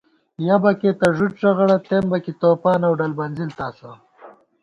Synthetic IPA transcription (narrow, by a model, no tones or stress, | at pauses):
jabɐket̪ɐʐuʈʂɐɣɐɽɐt̪embɐkit̪oːpɑːnawɖɐlbɐnzilt̪ɑːso